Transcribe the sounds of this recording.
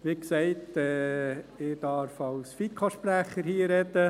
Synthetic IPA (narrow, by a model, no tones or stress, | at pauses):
ʋiksɛɪtɛːɪd̥̪ɑɾfɑwsfit̪̚kʰɑʃpɾæχəɾhiːəɾɛd̪ə